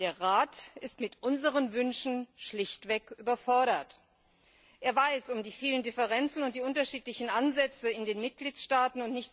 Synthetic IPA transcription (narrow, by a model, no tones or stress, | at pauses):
d̥eːɐʁaːtɪstmɪtʔʊnzəʁənvʏnʃn̩ʃlɪçtv̥ɛkʔyːbɐfɔɐɾɐt | ʔeːɐvaɪsʊmdiːfiːləndɪfɛʁɛnt͡sn̩ʊntd̥iːʔʊntɐʃiːtlɪçn̩ʔanzɛt͡səɪndeːnmɪt̚ɡ̥liːtʃtaːtn̩ʊntnɪçt